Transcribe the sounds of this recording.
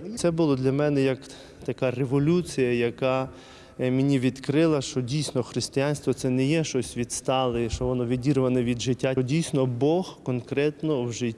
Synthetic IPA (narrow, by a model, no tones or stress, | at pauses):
t̪sɛbʊlˠɔd̪lʲɐmɛnɛjɐk | t̪ɐkɑreʋɔlʲut͡sʲijɐjɐkɑ | mʲenʲiʋʲid̪kɾɪlˠɐʃt͡ʃɔdʲijsnɔxɾɪsʲt̪ʲɪjanʲst̪ʋɔt̪sɛnɛjɛʃt͡ʃɔsʲʋʲid̪st̪ɑlˠeʃt͡ʃɔʋɔnɔʋʲidʲirʋɐnɛʋʲid̪ʒɪtʲːadʲijsʲnɔbɔhkɔnkɾɛt̪nɔwʒɪtʲː